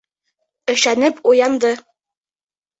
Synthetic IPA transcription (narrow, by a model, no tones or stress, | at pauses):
ɘ̆ʃænɘpujɑnd̪ɤ